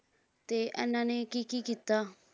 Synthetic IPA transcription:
t̪eʔɛ̰nːãːnẽkiːkiːkit̪ːaː

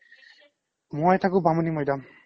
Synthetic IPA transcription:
mojtʰakʊ̃bamunimɔjdam

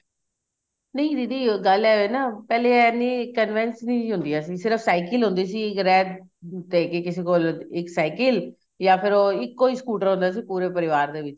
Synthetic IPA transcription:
nəĩːd̪iːd̪iːɡəlɛːʋeːnaːpɛːleːɛniːkənʋɛnsnĩːɦʊ̃nd̪iːaːsiːsɪɾəfsaːɪkɪlɦʊ̃nd̪iːsiːɪkɾɛːd̪ | t̪eːkekɪseːkoːlɪksaːɪkɪl | jãːpʰɪɾoːɪkːoːiːsə̥kuːʈəɾɦʊ̃nd̪aːsiːpuːɾeːpəɾɪʋaːɾd̪eːʋɪt͡ʃ

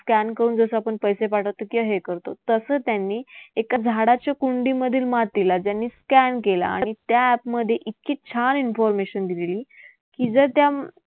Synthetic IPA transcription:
skænkəɾuːnd͡zəsəapəɳpəjsepaʈʰət̪ːəkiəɦekəɾt̪o̰t̪əsəːt̪janːiːekad͡zʱaɽat͡ɕjakuɳɖiməd̪ʱiːlmat̪ilad͡ʑjanːiːskænkela̰ã̰it̪jaæpməd̪ʱːjeʔit̪kiːt͡ɕʰalinfɔɾmeɕənd̪ililiː | kid͡zəɾt̪ja

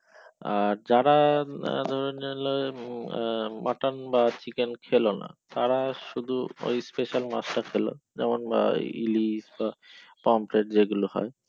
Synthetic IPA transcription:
aɾd͡ʑaɾad̪ʱɔɾoneloe | mʔa̰ʈanbat͡ɕikenkʰelona̰t̪aɾaʃud̪ʱuo̰jspeʃalmasʈakʰelo̰d͡ʑɛ̰monba̰ḭlisbapɔmpɾeʈ̚d͡ʑeɡulohɔ̰e

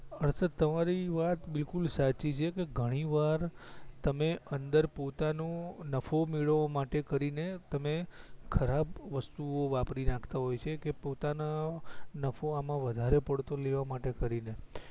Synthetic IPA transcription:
əɾsət̪əmaɾiʋat̪bɪlkulsat͡ʃit͡ʃʰekeɡʱəɽ̃iʋaɾt̪əmeʔənd̪əɾpot̪anonəfomiɭʋomaʈekəɾinet̪əmekʰəɾabʋəst̪uoʋapɾinakʰt̪aɦojt͡ʃʰekepot̪ananəfʰoamãʋəd̪ʱaɾepəɽt̪oleʋamaʈekəɾine

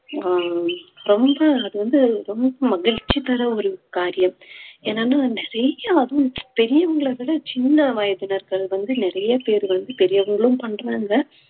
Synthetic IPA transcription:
aːɾɔmbɐːðɯʋɐnd̪ɯɾɔmbɐmɐɣɪɻt͡ʃːipɐɾɐɔɾɯkaːɾɪjɐmeːnaːnaːnɪɾɐjɐɐðɐ̃pɛɾɪjɐʋɐŋɡɐɭɐʋiɽɐt͡ʃɪnːɐʋaːjɐðɯnɐɾɣɐɭʋɐnd̪ɯnɪɾɐjɐpeːɾɯʋɐnd̪ɯpɛɾɪjɐʋɐŋɡɐɭɯ̃mpɐɳɾaːŋɡɐ

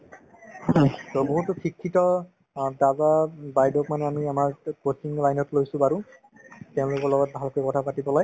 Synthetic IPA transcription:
tɔboɦutʊkʰikʰːitɔ | dazabajdɔkmanɛamiamaɹkot͡ʃiŋlajnɔtlojsʊ̃baɹu | teʊ̃lʊkɔɹlɔɡɔt̚bʱalkojkɔtʰapatibɔlaj

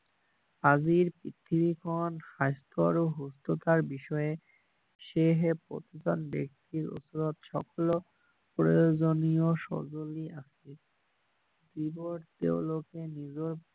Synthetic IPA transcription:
ad͡ʑiɾpɾit̪ʰːibikʰonʃast̪ʰoɾoɦust̪ot̪aɾbiʃɔe | ʃeɦepɾo̰t̪id͡ʑɔnbḛk̚t̪iɾo̰suɾot̪ʃɔ̰kolo | pɾojod͡ʑonioʃɔ̰d͡ʑoliasʰe | d̪iboɾt̪ḛolokenid͡ʑoɾ

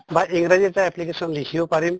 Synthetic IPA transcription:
baiŋɡɾad͡ʒit̪aɛplikesɔnlikʰibɔpaɾim

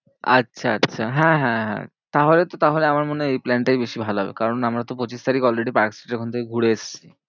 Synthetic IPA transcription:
a̰tːɕʰaa̰tːɕʰaɦɛ̃ɦɛ̃ɦɛ̰̃ | t̪aɦolet̪ot̪aɦoleamaɾmoneejplɛɳʈajbeʃibʱaloɦɔbḛkaɾonamɾat̪opot͡ɕist̪aɾikɔlɾeɖipaki̥sʈeʈeɾkʰont̪ʰekeɡʱuɽeeʃt͡ɕʰi

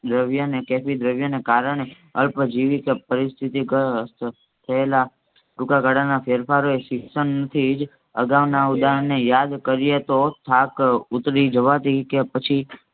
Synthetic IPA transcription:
d̪ɾəʋjənekɛfid̪ɾəʋjənekaɾəɳ̃e | əlpd͡ʒiʋikepəɾɪst̪ʰit̪ikəs | t̪ʰəela | ɾʊkaɡaɽanafʰeɾpʰaɾoeʃɪksənnət̪ʰid͡ʒ | ə̰ɡaʋnaud̪aɾənejad̪kəɾijet̪ot̪ʰakʊt̪ɾid͡ʒəʋat̪ikepət͡ʃʰi

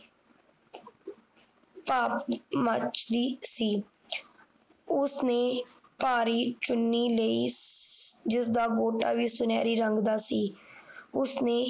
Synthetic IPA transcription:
paːpmət͡ʃd̪iːsiː | ʊsneːpaːɾiːt͡ʃʊnːiːləiː | d͡ʒɪsd̪aːɡoːʈa̰ːʋiːsʊnɛːɾiːɾəŋɡd̪aːsiː | ʊsneː

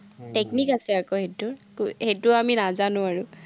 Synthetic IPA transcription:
teknikasɛakohetʊkhetʊaminazanʊ̃aɹʊ

